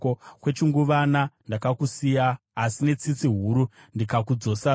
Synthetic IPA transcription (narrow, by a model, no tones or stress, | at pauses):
okwe̞t͡ʃiŋɡuʋanandakakusijaː | sine̞t͡sit͡siɦuːɾu | ndikakud͡zo̞sa